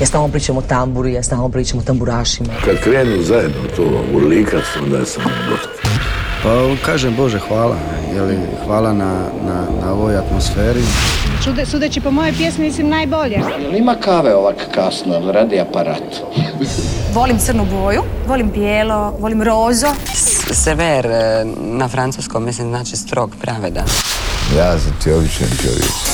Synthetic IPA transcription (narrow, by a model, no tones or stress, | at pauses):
jast̪aopɾiːt͡ʃamot̪ambuɾijast̪aamopɾiːt͡ʃamot̪ambuɾaːʃimakad̪kɾeːnuzajed̪not̪o̰ːṵɾliːkasond̪a̰jesamoɡost̪i̥pakaːʒembo̞ʒexʋaːla̰ | jeli | xʋaːlˠana | nanao̞ʋojat̪mosfeːɾit͡ʃud̪sud̪et͡ɕipomojojpjesmimislimnajboʎejelimakaːʋeoʋakkasnolɾaːd̪iapaɾa̰ːt̪ | ʋo̞limt̪sərnuboːjuʋolimpjeːlo̞ʋo̞limɾoːzoseʋeɾ | nafɾant̪suskommislimznaːt͡ʃist̪ɾo̞ɡpɾʔaʋed̪a̰jaːsat̪iobit͡ʃḛmp̪o̰ʋjḭk